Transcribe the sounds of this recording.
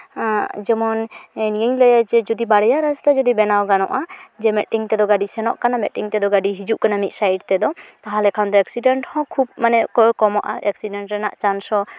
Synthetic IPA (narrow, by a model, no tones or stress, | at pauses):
d͡ʒɛmɔnnɡɛɲlɛjad͡ʒɛd͡ʒɔd̪ibaɽɛjaɾɛst̪ad͡ʒɔd̪ibɛnawɡanɔ̰ʔad͡ʒɛmɛʈiŋt̪ɛd̪ɔɡaɖisɛnɔ̰ʔkanamɛʈiŋt̪ɛd̪ɔɡaɖiɦid͡ʒuʔkanamit̪̚ˀsajɖt̪ɛd̪ɔt̪aɦãlɛkʰand̪ɔɛksiɖɛɳʈhɔ̃kʰub̚manɛʔkɔkɔmɔʔaʔɛksiɖɛɳʈɾɛnaʔt͡ʃansɔ